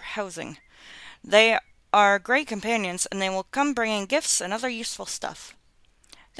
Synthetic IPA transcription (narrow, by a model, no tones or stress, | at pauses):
haʊzɪ̰̃ŋ | ðeɪ | ʔə˞ɡɹeɪt̚kʰɨ̃m̩pʰæ̃njɨ̃nz̥ɨ̃nðeɪwəlˠkʰʌ̃mbɹɪ̃ŋɪ̃ŋɡɪftsɨ̃nʌðə˞jʉsfl̩ˠstʰʌ̰f | ð